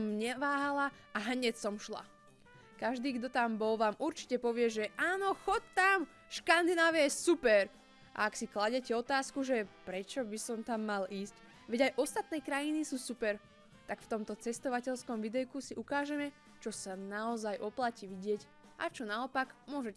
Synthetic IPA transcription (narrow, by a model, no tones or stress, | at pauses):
mɲɛʋaːɦala | aɦɲɛcsɔmʃla̰ | kaʒd̪iːɡd̪ɔt̪ambɔlʋaːmʔuɾt͡ʃi̥cɛpɔʋɪɛʒɛʔaːnɔxɔtt̪am | ʃkand̪inaːʋɛɛsupɛɾ | ʔa̰aksiklaɟɛcɛɔt̪aːskuʒɛpɾɛt͡ʃɔbisɔmt̪amːaliːsc | ʋɛɟajʔɔst̪at̪̚nɛkɾajinisuːsupɛɾ | t̪aɡft̪ɔmt̪ɔt͡sɛst̪ɔʋacɛʎskɔmʋid̪ɛjkusiʔukaːʒɛmɛ | t͡ʃɔsanaɔzajʔɔplaciʋiɟɪɛc | ʔa̰t͡ʃɔnaɔpaɡmʊɔʒɛc